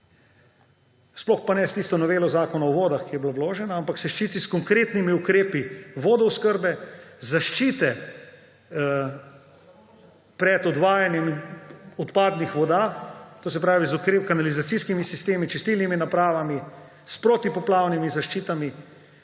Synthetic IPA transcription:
splɔxpanɛst̪iːst̪ɔnɔʋeːlɔzaːkɔnaɔʋoːd̪axkijɛblawloːʒɛnaampaksɛʃt͡ʃiːt̪iskɔŋkɾeːt̪nimiukɾeːpiʋoːd̪ɔwskəɾbɛzaʃt͡ʃiːt̪ɛ | pɾɛt̪ɔd̪ʋaːjanjɛmɔt̪paːd̪nixʋɔd̪at̪oːs̬ɛpɾaːʋizukɾekanalizat̪siskimisist̪eːmit͡ʃɛst̪ilniminapɾaːʋami | spɾot̪ipɔplaːwnimizaʃt͡ʃiːt̪ami

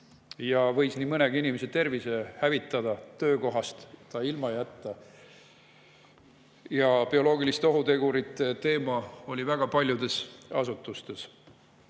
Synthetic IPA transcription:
jɑvɤ̞jsniːmɤneɡ̥inimeset̪e̞rvisehævit̪ːˑɑd̪̥ɑt̪ø̞ːko̞ɦɑst̪t̪ɑilmɑjæt̪ːɑ | jɑpio̞lo̞ːɡilist̪eo̞ɦut̪e̞ɡuɾit̪ˑːet̪e̞ːmɑo̞lʲivæɡ̥ɑpɑlʲjud̪e̞sɑ̰sut̪ːˑust̪e̞s

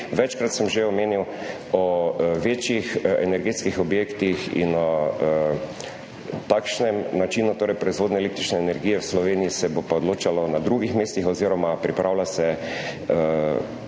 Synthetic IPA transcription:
ʋɛt͡ʃkɾat̪səmʒeɔmeːniw | ɔʋeːt͡ʃjixɛ̰nɛɾɡeːt̪skixɔbjeːkt̪ixḭnɔ | t̪aːkʃnɛmnat͡ʃiːnut̪oːɾɛjpɾɔizʋoːd̪nɛlek̚t̪ɾit͡ʃnɛːnɛɾɡijɛwslɔʋeːnijisɛbopaod̪loːt͡ʃalɔnad̪ɾuɡixmeːst̪ixɔziːɾɔmapɾipɾʔaːwlasɛ

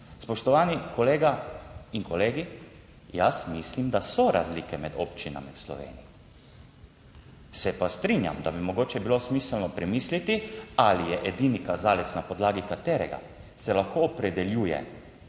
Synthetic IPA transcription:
spɔʃt̪ɔʋaːnikoleːɡaiŋkɔleːɡi | jasmislimd̪asɔɾʔa̰zlikɛmɛd̪o̰pt͡ʃina̰miwslɔ̰ʋḛːnḭj | sɛpast̪ɾinja̰md̪abimoɡoːt͡ʃɛbilosmiːsəlnɔpɾɛmiːslit̪ialijɛʔed̪iːnikazaːlɛt̪snapɔd̪laːɡikat̪eːɾɛ̰ɡa̰ | sɛlaxkoɔpɾɛd̪ɛljuːjɛ̰

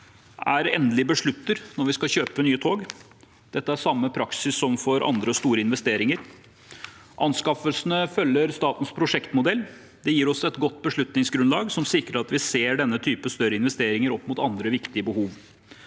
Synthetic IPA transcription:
æɾɛnd̪lɪbəʂɭʉt̪ːəɾnɔɾʋɪskɑɕøːpənyːət̪ʰoːɡ | d̪̥ɛt̪ːəæʂɑmːəpʰɾɑksɪsːɔmfɔɾʔɑ̰nd̪ɾəst̪uːɾəɪnʋɛst̪eːɾɪŋəɾ | ʔɑnskɑfəlsənəfœlːəɾst̪ɑːt̪n̩spʰɾʊʂɛkt̪mʊd̪ɛlː | d̪ɛjiːɾɔsɛt̪ɡɔt̪ːbəʂɭʉt̪nɪŋsɡɾʉnlɑːɡsɔmsɪkɾəɾɑt̪ʋɪseːɖɛnːət̪ʰyːpəst̪œɾəɪnʋɛst̪eːɾɪŋəɾɔpːmʊt̪ɑnd̪ɾəʋɪkt̪ɪəbəhuːʋ

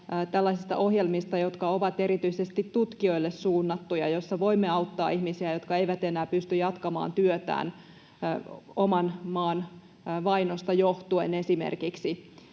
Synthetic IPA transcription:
t̪ælːɑisist̪ɑ̰ʔoɦjelmist̪ɑjot̪kɑoʋɑt̪e̞ɾit̪yisest̪it̪tut̪kio̞ilːessuːnːɑt̪ːujɑ̰josːɑʋo̞imːeɑut̪ːɑ̰ːihmisiæjo̞t̪kɑeiʋæt̪enæːpyst̪yjɑt̪kɑmɑ̰ːnt̪yøt̪æ̰ːn | omɑnmɑːn | ʋɑinost̪ɑjoht̪uenesimḛrkiksi

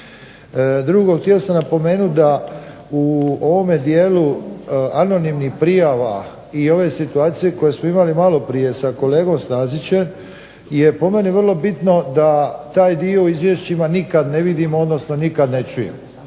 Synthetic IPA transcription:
d̪ɾuɡo̞kt̪jeosamnapo̞me̞ːnud̪a | uo̞ʋo̞med̪jeːluano̞nimnixpɾijaʋa̰ | io̞ʋe̞sit̪uaːt̪sije̞ko̞jesmoimalimalo̞pɾije̞sako̞le̞ːɡo̞mst̪aːzit͡ɕe̞m | je̞po̞me̞niʋər̩lˠo̞bit̪no̞d̪at̪aːjd̪io̞izʋje̞ʃt͡ɕimanikad̪ne̞ʋid̪imod̪no̞sno̞nikad̪net͡ʃujḛm

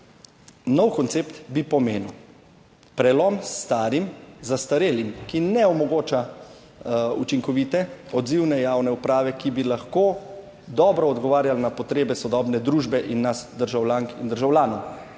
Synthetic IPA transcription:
nɔwkɔnt̪seːpt̪bipɔmeːnuw | pɾɛlɔmst̪aːɾimzast̪aɾeːlimkinɛɔmɔɡoːt͡ʃa | ṵt͡ʃiŋkɔʋit̪ɛɔd̪ziwnɛjawnɛupɾaːʋɛkibilaxkoː | d̪ɔːbɾɔːd̪ɡɔʋaːɾjalnapɔt̪ɾeːbɛsɔd̪ɔːbnɛd̪ɾuːʒbɛʔinːasd̪əɾʒawlʲjaŋkind̪əɾʒawlʲjaːnɔw

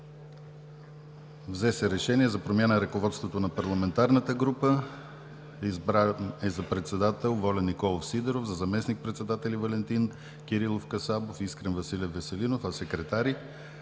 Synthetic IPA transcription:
vzɛsɛɾɛʃɛniɛzɐpɾomjanəɾəkovɔt̪st̪vot̪onɐpɐɾlˠɐmɛnt̪aɾnət̪əɡɾupə | izbɾaɛzɐpɾɛt̪sɛd̪at̪ɛlˠvɔlʲɛnːikɔlˠofsid̪ɛɾofzɐzɐmɛsnik̚pɾɛt̪sɛd̪at̪ɛlivɐlɛnt̪in | kʲiɾilˠofkɐsabofiskɾɛnvɐsilʲiəvɛsɛlinofɐsɛkɾɛt̪aɾi

